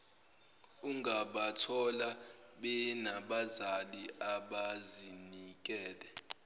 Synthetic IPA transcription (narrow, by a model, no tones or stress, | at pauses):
uŋʱaɓatʰɔlaɓɛnaɓazaliaɓazinik̬ʼɛːlɛ